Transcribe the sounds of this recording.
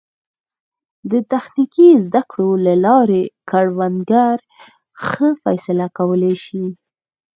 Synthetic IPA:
d̪ət̪axnikizd̪akɽolalɑɾekaɽwand̪ɡaɾ | xəfa̰jsɪlakawəleʃi

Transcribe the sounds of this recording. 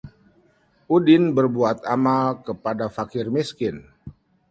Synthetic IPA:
ʔudɪnbərbuat̪amalkəpadafakɪrmiskɪn

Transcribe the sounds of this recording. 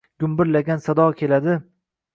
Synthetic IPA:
ɡ̥ʲʊmbɪɾlaɡʲansad̪ɒkʲʰe̞lad̪ɪ

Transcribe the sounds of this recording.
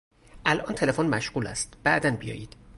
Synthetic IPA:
ʔælʔɒːnt̪ʰelefonmæʃɢ̥uːlæ̰st̪b̥æʔd̪ænbijɒ̰ːjiːd̪̥

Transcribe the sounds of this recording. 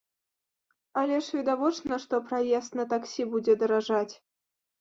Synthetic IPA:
alʲɛʂvʲid̪avɔt͡ʂnəʂt̪ɔpɾajɛst̪nɐt̪aksʲibud͡zʲɛd̪ɐɾaʐat͡sʲ

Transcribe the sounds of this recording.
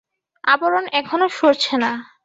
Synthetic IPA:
aboɾonɛkʰonoʃoɾt͡ɕʰena

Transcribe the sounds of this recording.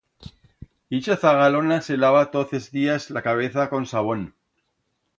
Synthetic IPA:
it͡ʃaθaɣalonaselaβat̪oθezðiazlakaβ̞eθako̞nsaβ̞o̞n

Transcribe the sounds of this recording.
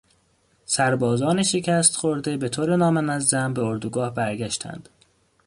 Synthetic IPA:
sæɾbɒːzɒːneʃe̞cʰæst̪χoɾd̪e̞be̞t̪ʰoːɾenɒːmænæzːæmbeoɾd̪uɡɒːhbæɾɟæʃt̪ʰæ̰nd̪̥

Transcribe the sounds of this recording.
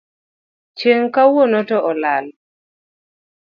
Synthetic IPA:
t͡ʃeŋkawonɔtɔʔɔlal

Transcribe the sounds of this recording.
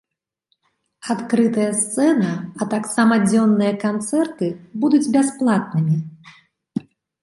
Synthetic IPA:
at̪kɾɨt̪ɐjɐst̪sɛnɐɐt̪aksamɐd͡zʲɔnːɨjɐkant̪sɛrt̪ɨbud̪ud͡zʲbʲasplˠat̪̚nɨmʲi

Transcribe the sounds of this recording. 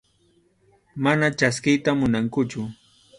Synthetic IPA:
manat͡ʃaskɪjt̪amʊnaŋkʊt͡ʃʊ

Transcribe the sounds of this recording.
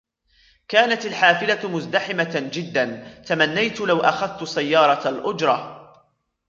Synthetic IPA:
kaːnat̪alħaːfɪlamʊzd̪aħɪmad͡ʒɪd̪ːant̪amanːajt̪ʊlawʔaxaðt̪ʊsajːɑːɾˤɑalʔʊd͡ʒɾˤɑ

